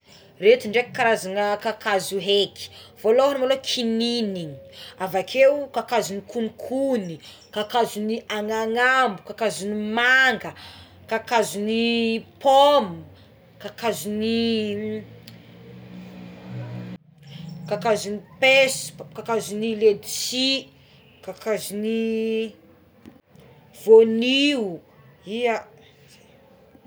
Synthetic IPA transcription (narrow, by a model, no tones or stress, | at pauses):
ret̪iɳɖ͡ʐekkːaɾazanəkakazuɦeki̥voloɦanmalokʰininiɲi̥avakʰewkakazunikunikʰuni | kakazuniaŋaŋambukakazunimaŋɡə | kakazunipʰomu | kakazuni | kakazunipeskakazuniled̪isi | kakazuni | voniu | ia